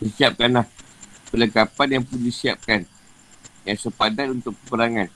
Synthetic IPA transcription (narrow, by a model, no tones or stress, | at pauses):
dəsiap̚kanlah | pələkapanjaŋpundisiap̚kan | jaŋsəpadanunt̪ʊkkəpəɾaŋan